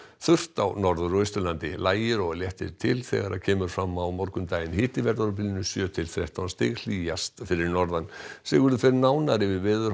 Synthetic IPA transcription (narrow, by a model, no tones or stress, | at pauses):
θʏr̥t̪awnɔɾðʏɾœst̪ʏɾlant̪ɪlaːjɪɾɔɣljɛht̪ɪɾ̥t̪ʰɪlθɛ̰ɣaɾʔaðcʰɛːmʏɾ̥fɾamːawmɔɾkʏmt̪aːjɪnhɪːt̪ɪvɛɾt̪aɾʏp̬ɪlɪnʏsjœːt̪ʰɪlθɾɛht̪awnst̪ɪ̰ːɣl̥iːjast̪fɪɾɪɾnɔɾðansɛɣʏɾðʏfɪɾɪnaːwnaɾɪvɪvɪːðʏɾ